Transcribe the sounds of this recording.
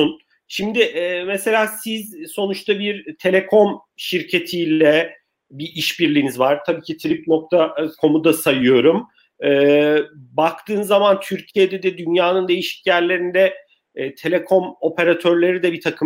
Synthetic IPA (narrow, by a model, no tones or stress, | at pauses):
un | ʃimd̪ɪʔɛːmese̞lʲaːsizso̞nut͡ʃt̪ʰabiɾt̪ʰe̞lʲe̞kʰo̞m | ʃiɾcʰe̞t̪ʰijlʲɛ | biʔiʃbiɾlʲiːnizvaɾ̥t̪ʰabiːcit̪ʰɾip̚no̞k̚t̪ʰakʰo̞mud̪asajɯjo̞ɾum | ɛːbak̚t̪ʰɯːnzːamant̪ʰyɾcʰijed̪ɛd̪ɛd̪ynjaːnɯnd̪e̞jiʃi̥cjæɾlʲe̞ɾind̪ɛ | t̪ʰe̞lʲekʰo̞mo̞pʰe̞ɾat̪ʰø̞ɾlʲe̞ɾid̪ɛbit̪ʰakʰɯ